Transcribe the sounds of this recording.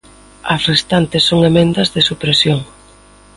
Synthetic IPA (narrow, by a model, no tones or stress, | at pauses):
ɐsrest̪ant̪ɪsːoŋemẽnd̪ɐzðɪsupɾesjoŋ